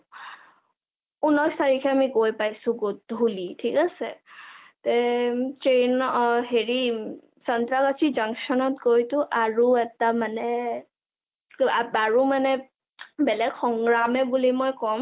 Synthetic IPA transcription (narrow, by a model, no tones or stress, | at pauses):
unɔjstaɹikʰɛamiɡojpajsʊ̃ɡot̚ulitʰikasɛ | tɛt͡ʃenɦeɹi | sɔntɹaɡatʰizaŋksɔnɔt̚ɡojtʊʔaɹuɛtamanɛ | aaɹumanɛ | bɛlɛɡxɔŋɡɹamɛbulimɔjkɔm